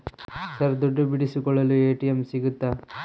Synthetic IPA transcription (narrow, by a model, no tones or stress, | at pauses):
sɐɾd̪ɔɖːubiɽisikɔɭːɐlueːʈijɐmsiɡut̪ːaː